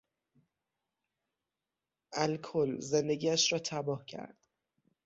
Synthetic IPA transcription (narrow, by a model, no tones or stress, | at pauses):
ʔælkʰolze̞nd̪e̞ɡiːæʃɾɒːt̪ʰæbɒːhcʰæ̰ɾd̪̥